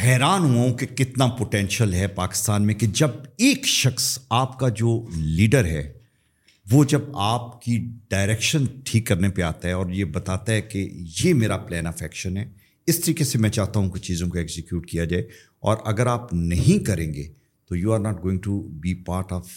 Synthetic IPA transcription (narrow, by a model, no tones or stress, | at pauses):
hɛːɾaːnɦuaɦũkekɪt̪napoʈɛ̃nʃəlɦɛpaːkɪ̥st̪aːnmẽked͡ʒɐbeːkʃɐxsaːpkad͡ʒoːliːɖəɾɦɛ̰ː | ʋod͡ʒɐbaːp̚kiɖaːɪɾɛːkʃənʈʰiːkːɐɾnepeaːt̪aɦɛɔːɾjebɐt̪aːt̪aɦɛkḛjemeːɾaplɛːnafɛːkʃə̃nɦɛː | ɪst̪ɐɾiːkesemɛ̃t͡ʃaːɦt̪aɦũket͡ʃiːzõkoeːksɪkjuːʈkijad͡ʒaːe | ɔ̰ːɾʔɐɡəɾaːpnɐɦĩkɐɾẽːŋɡeː | t̪ojuːaːɾnaːʈ̚ɡoːɪ̃ŋɡʈubipaːɾʈɔːʋ